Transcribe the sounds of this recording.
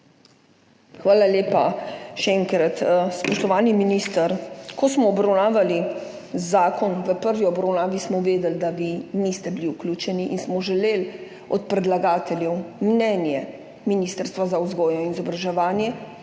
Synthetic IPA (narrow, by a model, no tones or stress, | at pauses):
xʋaːlaleːpaʃɛɛŋkɾat̪spɔʃt̪ɔʋaːniminist̪əɾkɔsmɔːbɾawnaːʋali | zaːkɔnʋəpəɾʋiɔbɾawnaːʋismɔʋeːd̪ɛld̪aʋinist̪ɛbiliuklʲuːt͡ʃɛniʔinsmɔʒɛleːl | ɔt̪̚pɾɛd̪laɡaːt̪ɛljɛwmnɛnjɛ | minist̪əɾst̪ʋazauzɡɔːjɔinizɔbɾaʒɛʋaːnjɛ